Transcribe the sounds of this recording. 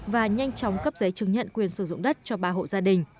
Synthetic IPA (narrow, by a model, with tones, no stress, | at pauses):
vaː˨˩ɲa˧jŋt͡ɕɔ˨˦wŋ͡mkə˦˥p̚zə˨˦jt͡ɕɨ˨˩ŋɲə̰˧˨nkwi˨˩ənsɨ˧˩zʊ̰˧˨ŋ͡mɗə˦˥t̚t͡ɕɔ˧ɓaː˧ɦo̰˧˨zaː˧ɗï˨˩ŋ̟